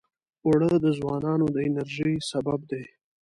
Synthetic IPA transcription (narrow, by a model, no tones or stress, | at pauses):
aɽəd̪əzwɑnɑnod̪əɪnaɾʒijsabab̚d̪e